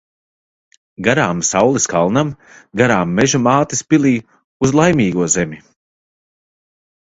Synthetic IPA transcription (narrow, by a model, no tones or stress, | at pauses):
ɡaɾaːmsawlˠiskalˠnam | ɡaɾaːmːɛʒumaːt̪ispilˠiː | uzlˠajmʲiːɡuɔzemʲi